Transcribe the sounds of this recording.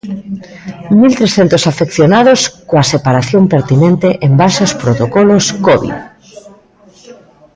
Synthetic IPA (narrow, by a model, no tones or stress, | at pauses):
milt̪ɾesθent̪osafekθjonaðoskoasepaɾaθjompeɾt̪inẽnt̪eʔembalsospɾot̪okɔloskɔβḭð